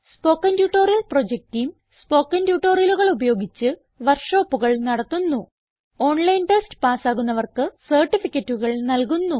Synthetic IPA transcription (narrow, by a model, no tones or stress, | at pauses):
spo̞ːkːɐndjuːʈːoːrijɐlpro̞d͡ʑek̚tijm | spo̞ːkːɐndjuːʈːo̞ːrjɐluɣɐɭubɐjo̞ːɡit͡ɕːɨ | ʋɐrʂo̞ːpːuɣɐɭnɐɽɐt̪ːunːu | o̞ːɳlɐjnʈestpaːsaːɣunːɐʋɐrkɨsɐrʈːifikʲːɐtːuɣɐɭnɐlkunːu